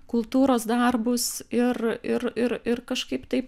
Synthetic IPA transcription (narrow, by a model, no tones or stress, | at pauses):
kʊlˠt̪uːɾoːsd̪ɐrbʊsɪrɪrɪrɪrkɐʃkɐɪpt̪ɐɪp